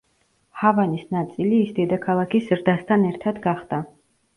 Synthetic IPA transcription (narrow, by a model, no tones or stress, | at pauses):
havanisnat̪sʼiliːsd̪ɛd̪akʰalˠakʰisɾd̪ast̪ʰanɛɾt̪ʰad̪ɡaχd̪a